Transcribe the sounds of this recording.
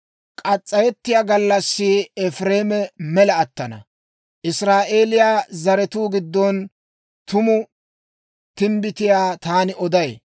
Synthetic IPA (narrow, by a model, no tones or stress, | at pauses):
kʼɐt͡sʼːɐjɛt̪ːɪjaːɡɐlːɐsːɪɛfɾeːmɛmɛlɐːt̪ːɐnɐ̰ | ʔɪsɾaːʔe̞ːlɪjaːzɐɾɛt̪uːɡɪd̪ːɔn | t̪ʊmʊ | t̪ɪmbɪt̪ɪjaːt̪aːnɪɔd̪ɐj